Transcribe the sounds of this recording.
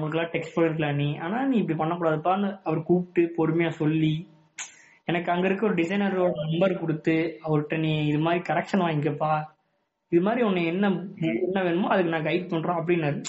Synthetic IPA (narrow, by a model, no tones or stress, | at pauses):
ŋɡɐɭɯk̬ːlãːʈɛksʈpɐɳɪɾɯk̬ːɐlaːniːaːnaːnĩːɪp̬ːɐɽipɐɳːɐk̬ːuːɽaːðɯpːaːnɐɐʋɐɾkuːpʈːɯpɔɾɯmɐjaːsɔlːi | ɛnɐkːɯɐŋɡɐɪɾɯkːɯɔɾɯɖɪsɐɪnɐɾoːɽɐnɐmbɐɾkɔɽɯt̪ːɯɐʋɐɾɯʈːɐniɪðɯmaːd̪ɾikɐɾɛk̚ʂɐnʋaːɪŋɡepːaː | ɪðɯmaːd̪ɾiɔnːɐɛnːɐʊɛnːɐʋeːɳɯmːaːɐðɯk̬ːɯnãːɡɐɪʈ̚pɐɳɾõːɐp̬ːɐɽɪnːaːɾɯ